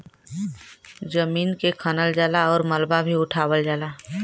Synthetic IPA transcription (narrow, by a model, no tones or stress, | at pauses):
d͡ʒəmiːnkekʰənəld͡ʒaːlaɔːɾməlbabʱiʊʈʰaːwəld͡ʒaːlaː